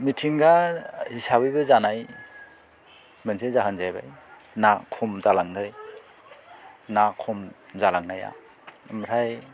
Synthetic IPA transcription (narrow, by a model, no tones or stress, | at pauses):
mitʰiŋɡahisabɯjbɯzanaj | mɯnsezaɦɯnzajba̰j | nakʰɔmzalaŋɡɯj | nakʰɔmzalaŋnaja̰ | mɾaj